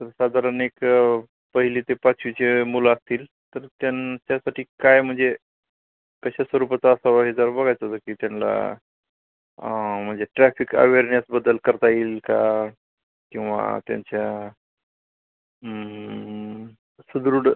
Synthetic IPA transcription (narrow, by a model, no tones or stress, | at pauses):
t̪əɾsad̪ʱaɾənek | pəɦilit̪epat͡sʰʋit͡ɕemulaːst̪iːl | t̪əɾt̪jant͡ɕasaʈʰiːkajm̤əɳd͡ze | kəɕasʋəɾupat͡saːsaʋaɦed͡z̪əɾbəɡʱajt͡s̪ɦot̪əkit̪janla̰ | m̤əɳd͡zeʈɾɛfʰikə̰ʋeɾnesbəd̪əlkəɾt̪aiːlka | kĩw̃ʋa̰t̪ja̰ɲt͡ɕja | sud̪ɾuɽ